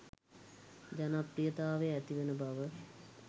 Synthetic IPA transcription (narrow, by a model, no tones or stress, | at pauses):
d͡ʒanaprijət̪aːʋeæt̪iʋenəbaʋə